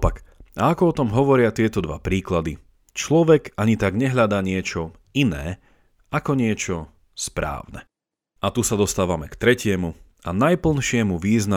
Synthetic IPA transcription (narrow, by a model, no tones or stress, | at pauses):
ɔpakaakɔɔt̪ɔmɦɔʋɔɾɪat̪ɪɛt̪ɔd̪ʋa̰pɾiːklad̪i | t͡ʃlɔʋɛɡaɲit̪aɡɲɛɦʎad̪aːɲɪɛt͡ʃɔ | inɛː | akɔɲɪɛt͡ʃɔ | spɾa̰ːʊnɛ̰ | at̪usad̪ɔst̪aːʋamɛkt̪ɾɛcɪɛmu | anajpl̩nʃɪɛmuʋiːzna